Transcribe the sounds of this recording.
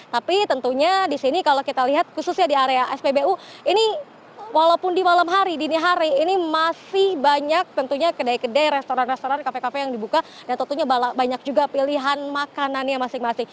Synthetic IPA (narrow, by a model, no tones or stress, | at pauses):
t̪apit̪ənt̪uɲadisinikalokit̪aliɦat̪̚kusʊsɲadiaɾeaʔɛsbebeuini | walaupʊndimalamɦaɾidiniɦaɾiːnimasɪhbaɲak̚t̪ənt̪uɲakədaikədajɾɛst̪oɾanrɛst̪oɾankafekafejaŋdibuka | dant̪ɔnt̪uɲabalabaɲak̚d͡ʒuɡapiliɦanmakananjamasɪhmasɪh